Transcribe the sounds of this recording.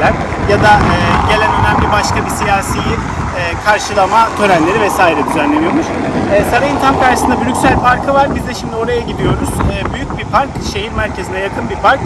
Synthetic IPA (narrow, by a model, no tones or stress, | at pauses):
æn | jad̪aːɟe̞lʲænø̞næmlʲibaʃkabisijaːsiji | ɛːkʰaɾʃɯlˠamat̪ʰø̞ɾænlʲe̞ɾivɛsaːiɾɛd̪yzænlʲe̞nijo̞ɾmuʃ | ɛːsaɾajɯnt̪ʰamkaɾʃɯsɯnd̪abylʲycʲsælʲpʰaɾkʰɯvaɾbizd̪ɛʃimd̪io̞ɾajaɟid̪ijo̞ɾuz̥ːbyjyc̚bipʰaɾkʃe̞ɦiɾmæɾcʰe̞zinɛjakʰɯnbipaɾk